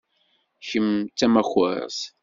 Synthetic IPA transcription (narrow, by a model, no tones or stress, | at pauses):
ʃəmt͡sːæmæxə̰ɾs